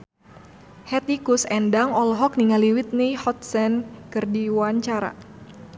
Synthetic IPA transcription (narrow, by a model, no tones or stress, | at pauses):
hɛt̪ikusɛndaŋɔlɦɔk̚niŋaliwit̪̚nihɔt̪̚sɛnkɨrdiwaɲt͡ʃaɾa̰